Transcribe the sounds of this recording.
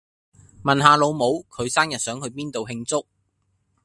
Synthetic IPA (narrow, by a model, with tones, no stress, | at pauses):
mɐ˨nɦaː˨˧lo˨˧wmo˨˧wkʰɵ˨˧ɥsaː˥njɐ˨t̚sœː˨˥ŋhɵ˨˧ɥpiː˥nt̪o˨wɦɪ˧ŋt͡sʊ˥k̚